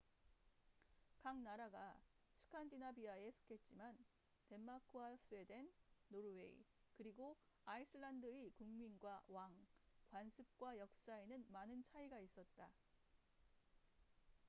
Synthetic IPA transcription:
kaŋnaɾaɡa | sʰɯ̥kʰandinabiae̞sʰo̥kʰe̞t̚t͡ɕ͈iman | te̞mːakʰowasʰuwe̞dwe̞nːoɾɯwe̞̰ḭkɯɾiɡo | aisʰɯɭːandɯikuŋminɡwawaŋkwansʰɯp̚k͈wajʌk̚s͈ainɯnmanɯnt͡ɕʰaiɡais͈ʌt̚t͈a

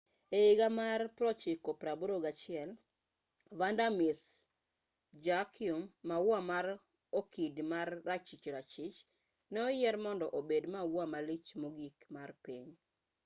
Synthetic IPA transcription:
eɪɡamarpɾɔt͡ʃikopɾaboɾoɡat͡ʃɪɛl | vandamis | d͡ʒakʰiumːawamar | okidmarːat͡ʃit͡ʃɾat͡ʃɪt͡ʃ | nɛɔjɛrmɔndɔʔobedmawamalit͡ʃmoɡikmarpiɲ

